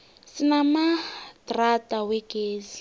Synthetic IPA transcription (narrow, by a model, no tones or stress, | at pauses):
sinamadratʼawɛɡeːzi